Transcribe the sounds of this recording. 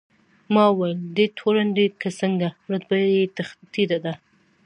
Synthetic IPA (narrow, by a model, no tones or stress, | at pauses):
mɑwajld̪et̪ʰoɾanɖekəsəŋɡaɾad̪̚bajjet̪t̪id̪ad̪a